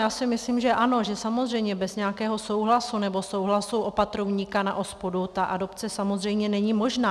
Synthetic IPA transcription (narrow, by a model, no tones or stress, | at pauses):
jaːsɪmɪslimʒɛʔano̞ʒɛsamo̞zr̝ɛjmɲɛbɛzɲɛakɛːɦo̞sowɦlasunɛbo̞so̞wɦlasuwʔo̞pat̪ɾovɲiːkana̰ʔo̞spodut̪aʔado̞pt͡sɛsamozr̝ɛjmɲɛnɛɲimo̞ʒnaː